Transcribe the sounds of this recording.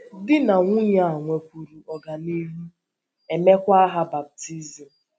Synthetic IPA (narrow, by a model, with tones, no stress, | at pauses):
dɪ˦na˨ŋʷʊ˦ɲa˨a˨ŋʷe˨kʷu˨ɾu˨ɔ˨ɡa˨ni˦ɦu˦ | e˨me˦kʷa˦a˦ɦa˦ba˨p̚ti˦zi˨m̩˨